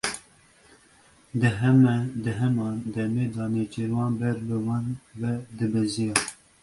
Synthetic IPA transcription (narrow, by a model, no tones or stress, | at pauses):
d̪ɨɦɛmɛd̪ɨɦɛmɑːnd̪ɛmeːd̪ɑːnet͡ʃeɾwɑːnbɛɾbɨwɑːnvɛd̪ɨbɛzijɑː